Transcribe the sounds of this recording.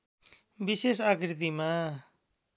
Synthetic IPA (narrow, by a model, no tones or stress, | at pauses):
bisesakɾt̪̬ima